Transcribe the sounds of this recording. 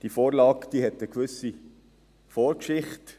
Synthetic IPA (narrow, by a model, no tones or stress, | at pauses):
d̥ifoːɾlɑːkd̥̪iːhɛtəkʋʏsi | foːɾkʃɪχt